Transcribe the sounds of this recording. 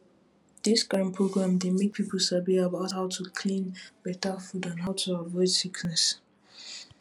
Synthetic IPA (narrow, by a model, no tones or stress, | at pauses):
d̥isɡ̥ãnpʰɹoɡɹãmdemek̚pʰipəl̩ˠsabiəbaʊthaʊtʰukʰlĩnb̥ɛtəfudãnɦaʊtʰuavɔɪd̥sikʰnɛ̃ns